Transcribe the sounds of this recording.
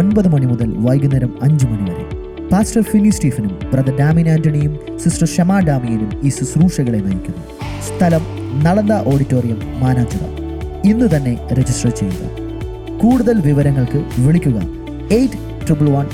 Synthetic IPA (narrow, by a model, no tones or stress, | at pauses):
onbɐðɨmɐɳimuðɐlʋɐjɡunɐɾɐmɐɲd͡ʑɨmɐɳiʋɐɾḛ | paːsʈɐrfinːistiːfɐnumprɐðɐɖaːminaːndɐɳijum | sisrɐʂɐmaːɖaːmijinumiːsusruːʂɐɣɐɭenɐjikʲːunːu | st̪ʰɐlɐm | nɐɽɐnd̪aːʔo̞ːɽitːo̞ːrijɐmːaːnaːd͡ʑɐɣɐ̰ | inːut̪ɐnːe̞ɾe̞d͡ʑisʈrɐt͡ɕe̞j̪d̪ɐ̰ | kuːɽuðɐlʋiʋɐɾɐŋːɐɭkɨʋiɭikʲːuɣɐ̰ | ejtːɨ̥ | ʈripuɭʋɐn